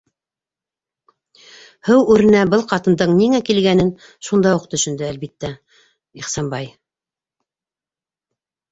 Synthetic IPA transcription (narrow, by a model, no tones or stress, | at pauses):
hɘwʉɾɘ̆næbɤlˠqɑt̪ɤ̆nd̪ɤɴniŋækilɡænɘn | ʃund̪ɑuq̚t̪ɵ̆ʃɵ̆nd̪ɘælβit̪ːæ | iχsɑnbɑj